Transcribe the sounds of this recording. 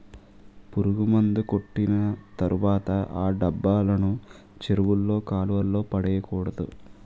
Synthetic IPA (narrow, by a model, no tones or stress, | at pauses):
puɾuɡumɐnd̪uko̞ʈːinɐt̪ɐɾʔuʋaːt̪ɐʔaːɖɐbːaːlɐnu | t͡ʃeɾuʋulːo̞ːkaːluʋɐlːo̞ːpɐɽɛːjɐkuːɽɐd̪u